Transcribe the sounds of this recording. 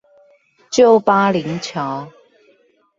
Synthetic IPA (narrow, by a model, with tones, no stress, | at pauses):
t͡ɕjo˥˩ʊpaː˥li˨˥ŋt͡ɕʰjɔ˨˥˦